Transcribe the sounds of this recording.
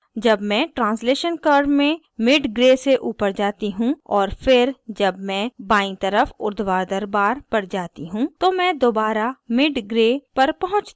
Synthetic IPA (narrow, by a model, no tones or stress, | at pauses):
d͡ʒɐbmɛ̃ʈɾãːnsleːʃənkəːɾɖmẽ | mɪɖɡɾeːseʔuːpəɾd͡ʒaːt̪iɦũɔːɾfɪɾd͡ʒɐbmɛ̃baːĩt̪əɾəfʊɾd̪waːɾd̪ɐɾbaːɾpɐɽd͡ʒaːt̪iɦũt̪omɛ̃d̪oːbaːɾamɪɖɡɾeːpɐɾpɐɦʊ̃t͡ʃt̪